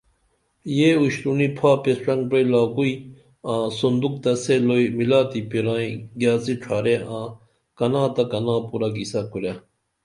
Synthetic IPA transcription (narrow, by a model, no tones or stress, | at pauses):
jeːuɕɾunipʰaːpesʈ͡ʂɐŋɡpɾejlaːkui | ãːsond̪uk̚t̪ɐselojmilaːt̪ipiɾãːĩɡjaːt͡siʈ͡ʂʰaːɾeãː | kɐnãːt̪ɐkɐnãːpuɾaɡisakuɾja